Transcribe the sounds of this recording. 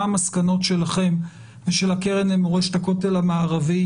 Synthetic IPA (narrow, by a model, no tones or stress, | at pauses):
maskano̞tʃe̞laχe̞m | veʃelakeʁenemoʁeʃtako̞telamaːʁavi